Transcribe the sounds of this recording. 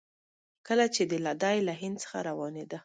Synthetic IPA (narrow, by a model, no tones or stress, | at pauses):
kəlat͡ʃed̪əlad̪ɑjlaɦɪnd̪̚t͡sə̥xa̰ɾawɑned̪a